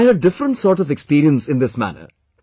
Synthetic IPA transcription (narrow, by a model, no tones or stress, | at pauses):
ɾəɖɪfɾə̃ɳʈsɔːɾʈɔvɛkspiːɾiə̃nsɪ̃nd̪ɪsmæ̰nə̰